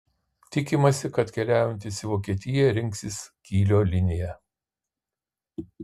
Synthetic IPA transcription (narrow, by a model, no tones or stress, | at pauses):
t̪ʲɪkʲɪmɐsʲɪkɐt̪kʲɛlʲæːjɛnʲt̪ʲɪsʲɪʋoːkʲiɛt̪ʲɪjɛɾʲɪŋʲksʲɪskʲiːlʲoːlʲɪnʲɪjɛ